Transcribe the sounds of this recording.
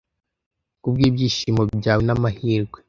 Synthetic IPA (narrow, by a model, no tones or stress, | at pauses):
kub̚ɡiːbjiːʃiːmobɟaːwenamahiːɾɡwe